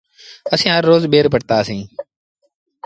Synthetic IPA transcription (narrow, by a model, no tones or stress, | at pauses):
əsĩːɦəɾːoːzɓeːɾpəʈt̪aːsĩː